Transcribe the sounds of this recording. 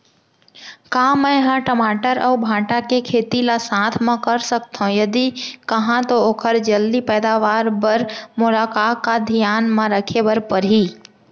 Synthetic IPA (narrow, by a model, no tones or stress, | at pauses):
kamə̃ɦãʈəmaːʈəɾɔːbʱãːʈakekʰeːt̪ilasãːt̪ʰmẽkəɾsək̚t̪ɦõjɐd̪ikəɦãt̪ooːkʰəɾd͡ʒəld̪ipɛːd̪aʋaːɾbəɾmʊlaːkaːad̪ʱijaːnmãɾəkʰebəɾpəɾɦi